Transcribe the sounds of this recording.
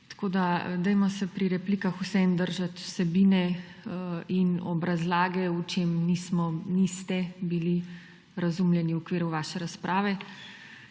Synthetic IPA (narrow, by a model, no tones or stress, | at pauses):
t̪ḁkoːd̪ad̪ɛjmasɛpɾiɾɛpliːkaxusɛnd̪əɾʒat̪u̥sɛbiːnɛəinɔbɾazlaːɡɛut͡ʃemnismɔnist̪ɛbili | ɾazumljɛniukʋiːɾuʋaːʃɛɾaspɾʔaːʋɛ